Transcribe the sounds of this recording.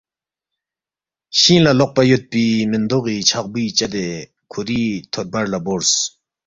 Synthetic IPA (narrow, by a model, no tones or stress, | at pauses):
ɕinlaloχpajot̪̚pimənd̪oχːit͡ɕʰaχbit͡ɕad̪e | kʰori̥t̪ʰot̪̚barlabors